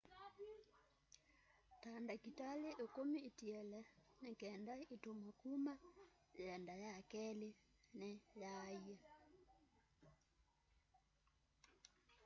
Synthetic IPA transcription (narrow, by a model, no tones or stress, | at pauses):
tandakitaleʔekomiːtiɛlɛnekɛndaitomwakuma | jɛndajakɛlenɛjaia